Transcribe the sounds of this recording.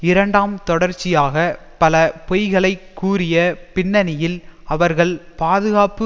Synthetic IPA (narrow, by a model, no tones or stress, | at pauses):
ɪɾɐɳɖaːmt̪ɔɽɐɾt͡ʃːɪjaːɣɐpɐlɐpɔjɣɐɭɐɪkːuːɾɪjɐpɪnːɐnɪjɪlɐʋɐɾɣɐɭpaːðɯɣaːpɯ